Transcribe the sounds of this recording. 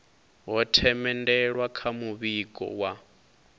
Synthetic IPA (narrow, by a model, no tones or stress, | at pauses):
ɦɔtʰɛmɛndɛɺwakʰamuβikʼɔ̰wa